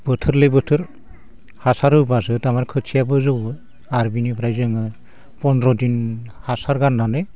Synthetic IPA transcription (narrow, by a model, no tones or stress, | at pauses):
b̥ɯtʰɯɾlɯbɯtʰɯɾ | hasaɾɯbasɯtamaɾkʰɯsʰijabɯzɯw | aɾbinipʰɾajzɯŋɯ | pɔnɾɔdinhasaɾɡanːanɯ